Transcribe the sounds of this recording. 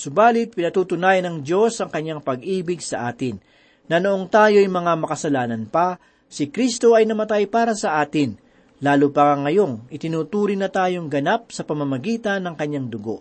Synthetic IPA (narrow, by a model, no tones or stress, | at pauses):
sʊbaːlɪt̪̚pɪnɐt̪uːt̪ʊnaːjɐnɐŋd̪jo̞sʔɐŋkɐɲːaŋpɐɡʔiːbɪɡsɐʔaːt̪ɪnː | ɐnoʔoŋt̪aːjo̞ɐjmɐŋamɐkɐsɐlaːnɐnpɐ | sɪkɾist̪o̞ɐjnɐmɐt̪ajpaːɾɐsɐʔaːt̪ɪn | laːlupɐkɐŋːɐjo̞ŋʔɪt̪ɪnuːt̪uːɾɪnːɐt̪aːjo̞ŋɡɐnap̚sɐpɐmɐmɐɡiːt̪ɐnːɐŋkɐɲːaŋd̪ʊɡo̞̰ʔ